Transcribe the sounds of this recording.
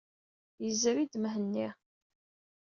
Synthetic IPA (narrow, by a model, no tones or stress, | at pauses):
jəzːəɾid̪məɦənːi